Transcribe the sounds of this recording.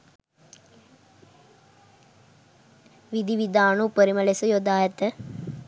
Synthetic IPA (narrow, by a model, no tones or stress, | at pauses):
ʋid̪iʋid̪aːnupəɾimɐlesujod̪aːjɐt̪ə